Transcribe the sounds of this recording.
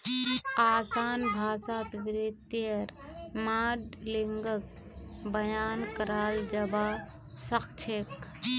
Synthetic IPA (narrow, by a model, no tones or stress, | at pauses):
aːsaːnbʱaːsaːt̪ʋɾɪt̪əɾmaːɖliŋɡək̚ | bəjaːnkəɾaːld͡ʒəba | səkt͡ʃʰek